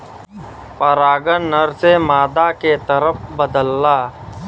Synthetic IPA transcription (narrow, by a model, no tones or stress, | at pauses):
pəɾaːɡənːəɾsemaːd̪aket̪ɐɾəpbəd̪əlːaː